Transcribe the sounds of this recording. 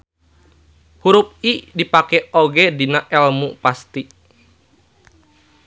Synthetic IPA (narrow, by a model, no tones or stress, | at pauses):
huɾup̚idipakɛoɡɛdinaʔɛlmupast̪i